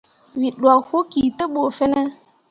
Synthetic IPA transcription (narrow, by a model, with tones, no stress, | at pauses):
wi˨ɗwa˨kho˦ki˨tə˦ɓo˨fe˦nə˦